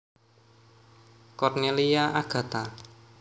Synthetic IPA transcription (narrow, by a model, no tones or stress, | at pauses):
kɔrneliaʔaɡ̥ä̤t̪a